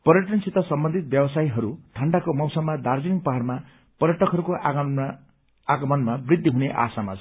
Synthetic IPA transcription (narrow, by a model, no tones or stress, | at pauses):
pʌɾjʌʈʌnsʰit̪ʌsʌmbʌnd̪ʱit̪̚bjʌbʌsaiɦʌɾuʈʰʌɳɖakomʌwsʌmːad̪ard͡ziniŋ̚pʌɦarma | pʌɾjʌʈʌkɦʌɾukoʔ | aɡʌmʌnmabrid̪ʱːiɦuneʔa̰sama̰t͡sʰ